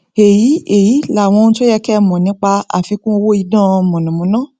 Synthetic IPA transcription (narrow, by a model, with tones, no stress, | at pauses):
e˨ji˨˦e˨ji˨˦la˨w̃ɔ̃˧n̩˦to˦jɛ˧kɛ˦˨mɔ̃˨nĩ˨˦k͡pa˧a̰˨fi˧kũ˦˧wo˦i˧dã˦˨˧mɔ̃˨nũ˨mũ˨˦nã˦˨